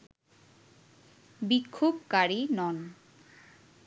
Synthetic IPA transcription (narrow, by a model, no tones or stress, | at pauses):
bikʰːob̚kaɾinɔn